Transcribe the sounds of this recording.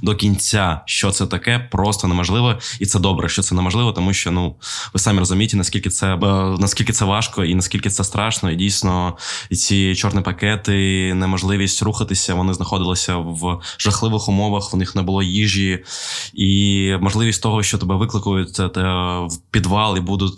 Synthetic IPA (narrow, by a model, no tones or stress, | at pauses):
d̪ɔkʲinʲt͡sʲaʃt͡ʃɔt̪sɛt̪ɐkɛpɾɔst̪ɔnɛmɔʒlˠɪʋɔit̪sɛd̪ɔbɾɛʃt͡ʃɔt̪sɛnɛmɔʒlˠɪʋɔt̪ɔmuʃt͡ʃɔnuʋɪsɑmʲirɔzʊmʲijet̪ɪnɐskʲilʲkɪt̪sɛnɐskʲilʲkɪt̪sɛʋɑʃkɔinɐsʲkʲilʲkɪt̪sɛst̪ɾɑʃnɔidʲijsʲnɔt͡sʲit͡ʃɔrnipɐkɛt̪ɪnɛmɔʒlˠɪʋʲisʲtʲruxɐt̪ɪsʲɐʋɔnɪznɐxɔd̪ɪlˠɪsʲɐʋʒ̥ɐxlˠɪʋɪxʊmɔʋɐxʊnɪxnɛbʊlˠɔjiʒji | imɔʒlˠɪʋʲisʲtʲt̪ɔɦɔʃt͡ʃɔt̪ɔbɛʋɪklˠɪkʊjʊt̚ʲt̪wpʲid̪ʋɑlˠibud̪ʊtʲ